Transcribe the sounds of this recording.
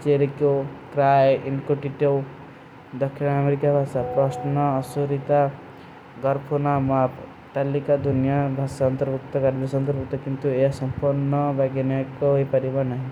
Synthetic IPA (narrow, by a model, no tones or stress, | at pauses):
t͡ʃeɾikokɾajinkoʈiʈew | d̪ɔkʰːinameɾikabʱasapɾɔsnɔːsuɾit̪a | ɡɔɾpʰunamap | t̪alikad̪unijabʱasaːnt̪ɾbʱuk̚t̪ɔkaɾbʱasant̪ɾbuk̚t̪ɔkint̪ueasɔmpuɾnːɔbaɡanakɔipaɾibanaɦĩ